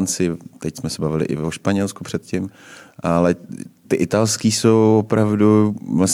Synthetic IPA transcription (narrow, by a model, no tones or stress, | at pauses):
nt͡sɪt̪ɛcsmɛsɛbavɪlɪ̰ʔɪ̰vvoʃpaɲɛlskupr̥ɛt̪cɪmʔalɛt̪ɪʔɪt̪alskiːsowvopɾavduvlas